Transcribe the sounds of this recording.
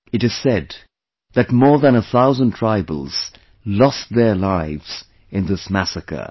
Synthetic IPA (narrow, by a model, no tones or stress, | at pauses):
ɨɾɨz̥sɛd̪ | ðɨt̚mɔɹðə̃nəθaʊzə̃ntʰɹ̥aɪbəl̩ˠz̥ | lɔsðə˞laɪvz̥ | ɨ̃nðɪsmæsɨkə̰